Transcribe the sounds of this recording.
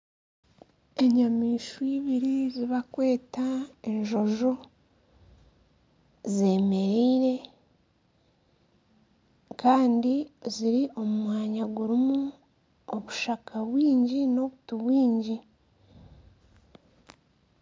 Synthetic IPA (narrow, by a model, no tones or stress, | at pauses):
e̞ɲamiːʃwiːβiɾiziβakwe̞ːtae̞ɲʒo̞ʒo | ze̞ːme̞ɾeːɾe̞ | kaːndiziɾiʔo̞mumwaːɲaɡuɾimu | oβuʃakʰaβwiːɲɟino̞βutuβwiːɲɟi